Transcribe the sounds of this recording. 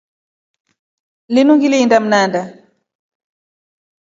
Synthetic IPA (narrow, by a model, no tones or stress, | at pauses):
linuŋɡiliindam̩nanda